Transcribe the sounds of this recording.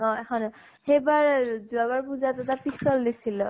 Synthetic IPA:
ɔ̃ekʰɔn | hejbaɹd͡zuabaɹpud͡zat̪ɔt̪apistɔld̪isʰilɔ

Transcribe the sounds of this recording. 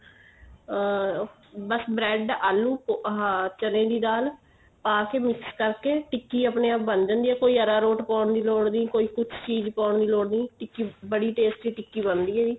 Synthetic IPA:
bəsbɾɛːɖaːlːuːpoɦãːt͡ʃəlẽːd̪iːd̪aːl | paːkeːmɪkskəɾkeːʈɪkːiːapneːaːp̚bənd͡ʒə̃nd̪iːɛːkoːiːəɾaːɾoːʈpãːʊɳd̪iːloːɽd̪iːkoːiːkʊt͡ʃʰt͡ʃiːd͡ʒpãːɳd̪iːloːɽd̪ĩːʈɪkːiːbəɽiːʈeːsʈʋiːʈɪkːiːbənd̪iːɛːd͡ʒiː

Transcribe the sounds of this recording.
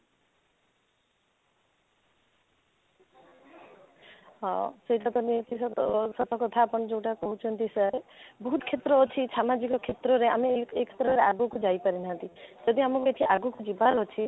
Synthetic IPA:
seiʈap̪ɔnit̪issɔt̪ɔkot̪ʰapɔnd͡ʒewʈakɔɦut͡ʃʰɔnt̪isaɾebɔɦut̪kʰet̪ɾɔːt͡ʃʰisamad͡ʒikɔkʰet̪ɾɔɾea̰meekʰe̥t̪ɾɔɾeaɡukud͡ʒajpaɾinaɦãnt̪id͡ʒʌd̪iamɔkeʈ̪ʰiʔaɡukud͡ʒibaɾɦɔt͡ʃʰi

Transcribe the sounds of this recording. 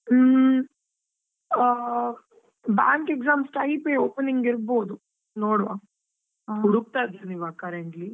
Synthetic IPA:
ba̰ːŋkekzaːmsʈɐjpeːoːpniŋɡiɾboːd̪u | noːɽʋaː | uɽuk̚t̪aːd̪ɐniʋaːkɐɾeɳʈli

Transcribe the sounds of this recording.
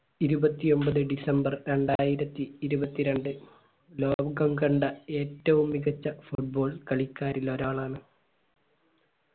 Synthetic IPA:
iɾubɐt̪ːio̞mbɐðɨɖisɐmbɐrɾe̞ɳɖaːjiɾɐt̪ːiːɾubɐt̪ːiɾeɳɖɨ | lo̞ːbɡɐmɡɐɳɖɐe̞ːtːɐʋumːiɣɐt͡ɕːɐfuʈ̚bo̞ːɭkɐɭikʲːaːɾilo̞ɾaːɭaːɳɨ

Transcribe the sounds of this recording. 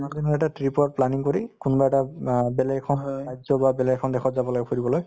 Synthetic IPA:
madinɔɹɛʈatɹipɔɹplaniŋkoɹikunbaɛtabɛlɛɡkʰɔnajzɔbabɛlɛɡkʰɔndɛxʰɔtzabɔloɡɛpʰoɹibɔloj

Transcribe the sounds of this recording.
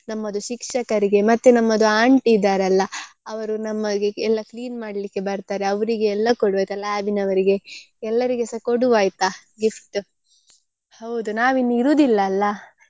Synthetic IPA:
nɐmːɐd̪uʃikʂɐkɐɾiɡe̞mɐt̪ːenɐmːɐd̪uaːɳʈid̪aːɾeɐlːɐɐʋɐɾunɐmːɐɡeɛlːɐkliːnmaːɽɐlikːe̞bɐɾt̪aːɾe̞ɐʋɐɾiɡeɛlːɐkoɽuʋaːjt̪ɐlaːbinɐʋɐɾiɡe̞ | ɛlːɐɾiɡɛsɐkoɽuʋaːjt̪a | ɡifʈ | hɐwd̪unaːʋinːuiɾuːd̪ilːɐːlːɐ

